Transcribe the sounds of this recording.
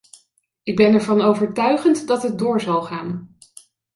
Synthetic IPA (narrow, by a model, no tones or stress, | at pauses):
ɪɡ̚bɛnɛɹvɑnowvəɹtœɥχəntdɑtɦət̚dʊːɹzɑlˠχaːn